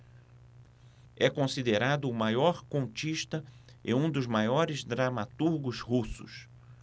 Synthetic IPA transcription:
ɛkõsid̪eɾad̪ʊːmajɔɾkõnt͡ʃiʃt̪ɐḛ̃ũd̪ʊzmajɔɾɪzd̪ɾamat̪uɾɡʊzhusʊ̰s

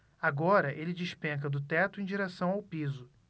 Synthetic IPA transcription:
aɡɔɾɐʔelɪd͡ʒɪʃpẽkɐd̪ʊt̪ɛt̪ʊẽj̃d͡ʒiɾesɐ̃w̃awpizʊ

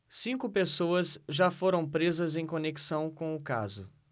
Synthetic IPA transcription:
sĩŋkʊpesoɐzʒafoɾɐ̃w̃pɾezɐzẽj̃koneki̥sɐ̃w̃kõw̃ʊka̰zʊ

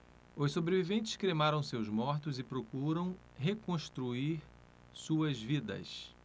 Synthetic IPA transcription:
ossobɾevivẽnt͡ʃɪ̥skɾemaɾɐ̃w̃sewzmɔɾt̪ʊzɪpɾokuɾɐ̃w̃ | ɦekõʃt̪ɾuiɾ | suɐzvid̪ɐ̰s

